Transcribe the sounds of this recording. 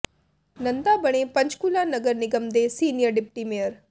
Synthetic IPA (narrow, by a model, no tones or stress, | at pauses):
nɐ̃nd̪abɐɽ̃ẽpɐɲd͡ʒkulaːnɐɡəɾnɪɡəmd̪esiːnijəɾɖɪp̚ʈimejəɾ